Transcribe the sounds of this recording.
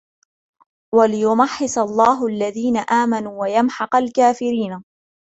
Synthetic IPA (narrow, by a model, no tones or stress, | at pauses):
walɪjʊmaħːɪsalˤːɑːɦʊʔalːaðiːnaʔaːmanuːwajamħɑqɑlkaːfɪɾiːna